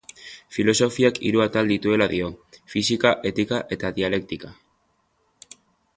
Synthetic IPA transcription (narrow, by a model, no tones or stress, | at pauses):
filo̞so̞fiakḭɾuat̪ald̪it̪ue̞laðio̞fisikaʔe̞t̪ikaʔe̞t̪aðiale̞k̚t̪ika